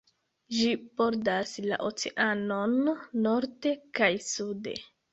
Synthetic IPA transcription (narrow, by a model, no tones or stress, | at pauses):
d͡ʒipo̞ɾdasla̰ʔot͡seʔanonːo̞ɾde̞kajsude̞̰